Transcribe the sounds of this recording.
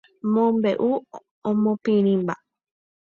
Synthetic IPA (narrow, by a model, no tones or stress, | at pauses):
mõmbeʔu | omõpinĩmba̰